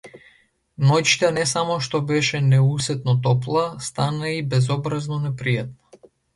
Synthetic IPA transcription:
nɔt͡ʃi̥t̪anɛsamɔʃt̪ɔbɛʃɛnɛusɛt̪nɔt̪ɔplˠast̪anaibɛzɔbɾaznɔnɛpɾijat̪̚nḁ

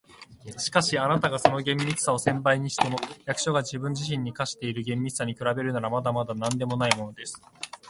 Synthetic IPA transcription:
ɕi̥kaɕianat̪aɡaso̞no̞ɡẽ̞mːʲit͡sɨ̥sao̞sẽ̞mpaiɲ̟iɕi̥t̪e̞mo̞jakɯ̟̥ɕo̞ɡad͡ʑibɯ̟̃ɲ̟d͡ʑiɕ̬ĩɲ̟ːikaɕi̥t̪e̞iɾɯ̟ɡẽ̞mːʲit͡sɨ̥saɲ̟ikɯ̟ɾabe̞ɾɯ̟naɾamad̪amad̪anãnd̪e̞mo̞naimo̞no̞d̪e̞sɨ̥

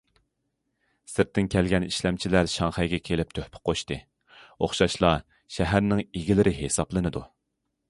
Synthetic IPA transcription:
sɪɾt̪ʰːɪnkʲælɡʲɛniʃlɛmt͡ʃʰilæɾʃɑŋχɛjɡʲɛkʲʰelɪp̚t̪ʰøhpʰɪ̥qʰoʃt̪ɨ | oχʃɑʃlˠɑ | ʃæɦæɾnɪŋiɡʲilɪɾɪɦesɑplˠɨnɨd̪u

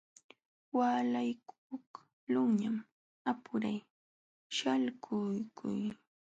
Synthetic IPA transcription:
waːlajk | ʊk | lʊŋɲam | apʊɾaj | ʃalkʰʊjkʰʊ̰j

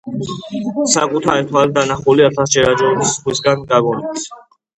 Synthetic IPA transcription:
sakʼut̪ʰaɾit̪ʰwaɾid̪anaχuliat̪ʰasd͡ʒɛɾad͡ʒɔnisχwisɡanɡaɡɔnis

